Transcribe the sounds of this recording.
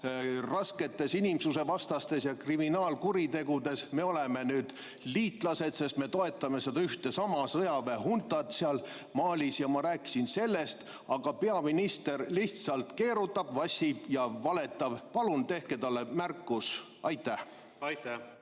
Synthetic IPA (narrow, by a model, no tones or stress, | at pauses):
rɑske̞t̪ːe̞sinimsuse̞vɑst̪ɑst̪e̞sjɑkriminɑːlkuɾit̪e̞ɡud̪e̞sme̞o̞le̞me̞nyːd̪̥ | liːt̪ˑlɑse̞d̪̥se̞st̪me̞t̪oe̞t̪ːˑɑme̞sed̪ɑyht̪e̞sɑmɑsɤjɑveɦunt̪ːˑɑt̪seɑlmɑːlʲisjɑmɑɾæːkːi̥sinse̞lːe̞st̪ | ɑɡ̥ɑpe̞ɑminist̪e̞rliçt̪sɑlt̪ke̞ːɾut̪ːˑɑb̥vɑsʲib̥jɑvɑle̞t̪ːˑɑb̥pɑlunt̪e̞hke̞t̪ɑlːe̞mærkˑːus | ɑjt̪ːæh | jt̪æ